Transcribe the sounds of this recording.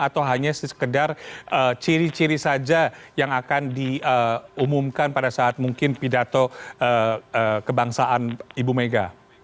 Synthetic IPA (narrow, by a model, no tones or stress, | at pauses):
at̪awɦaɲasəə̥kədarʔət͡ʃiɾit͡ʃiɾisad͡ʒajaŋakandiəumumkanpadasaːt̪̚muŋkɪnpidat̪oəəkəbaŋsaʔanibumeɡa̰